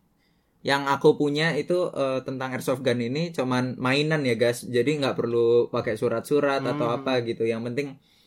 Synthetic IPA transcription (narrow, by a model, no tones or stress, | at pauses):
jaŋakupuɲait̪uʔət̪ənt̪aŋɛrsɔfɡaninit͡ʃomanmainanjaɡasd͡ʒadiŋɡaʔpərlupakesuɾat̪̚suɾat̪at̪awapaɡit̪ujaŋpənt̪ɪŋ